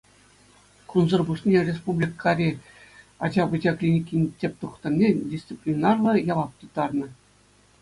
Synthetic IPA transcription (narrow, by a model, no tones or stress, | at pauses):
kunzɤ̆rbuʂnʲerʲes̬publʲikʰːɑɾʲe | ɑd͡ʑɑbɯd͡ʑʲɑklʲinʲikʲinʲtʲepʲt̪uχt̪ɤ̆nʲːedʲist̪t͡sɨpʲlʲinɑrlˠɤ̆jɑʋɑp̚t̪ut̪ɑrnɤ̆